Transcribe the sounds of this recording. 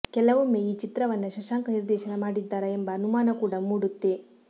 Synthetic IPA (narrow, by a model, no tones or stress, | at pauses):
kɛlɐʋumːeiːt͡ʃit̪ɾɐʋɐnːɐʃɐʃaːŋkɐniɾd̪ɛːʃɐnɐmaːɽid̪ːaːɾɐembɐːnumaːnɐkuːɽɐmuːɽut̪ːe